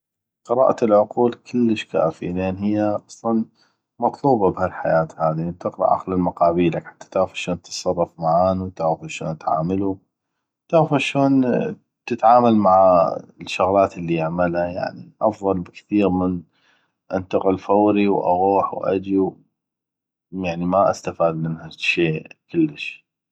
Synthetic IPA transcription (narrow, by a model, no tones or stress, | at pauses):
qɨɾɑ̰ːʔalʕʊquːlkʰɪlːəʃka̰ːfileːnhɪjːaʔɑsˤlɑn | mɑt̪ˤluːbɑbhalħajaːt̪haːðit̪ɪqɾɑ̰ʔa̰qlalmʊqɑːbiːlakħḁt̪ʰːḁt̪aʕɣfaʃoːnt̪sˤɑrˤːɑfmaʕaːnut̪aʕɣfaʃo̰ːnt̪ʕa̰ːmalu | t̪aʕfaʃoːn | t̪ɪt̪ʕaːmalmaʕaʃːʊɣlaːt̪ɪlːijaʕmalhaja̰ʕniʔɑfðˤɑlbɪkθiːɾmɪn | ʔant̪ɑqɪlfawɾiwʔa̰ɣuːħwʔa̰d͡ʒiw | jaʕnimaʔast̪afaːd̪mɪnhaʃeːkɪlːəʃ